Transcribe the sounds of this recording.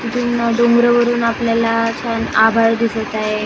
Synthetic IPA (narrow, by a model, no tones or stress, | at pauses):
t̪it̪ʰuːnɖoŋɡɾəʋəɾuːnapljalat͡ɕʰanabʱaɭd̪isəɭt̪aje